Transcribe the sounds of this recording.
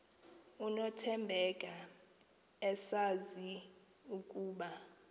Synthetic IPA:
unɔtʰɛmbʱɛkʼa | ɛsazi | ukʼuːɓa

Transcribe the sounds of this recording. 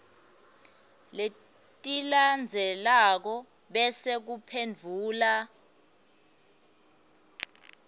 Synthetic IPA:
le | tʼiland͡zʱɛlak̬ɔ | ɓɛsek̬upʰend͡vʱuːla

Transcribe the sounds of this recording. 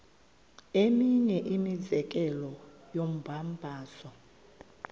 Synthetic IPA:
emiɲɛʔimid͡zɛk̬ʼɛlɔjom̩bʱambʱaːsɔ

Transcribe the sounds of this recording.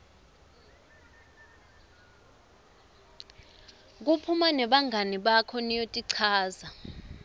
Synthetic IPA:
k̬upʰumanɛɓaŋʱaniɓakʰɔnijotʼiǀʰaːza

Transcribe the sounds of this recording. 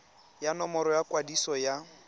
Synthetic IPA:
janɔmɔɾɔjakʼwadisɔja

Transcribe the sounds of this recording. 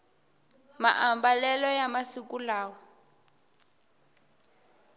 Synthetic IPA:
ma̰ʔambalɛlɔjamasikulaːwɔ

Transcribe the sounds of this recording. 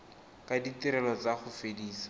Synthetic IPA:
kʼaditiɾɛlɔt͡saχʊfediːsḁ

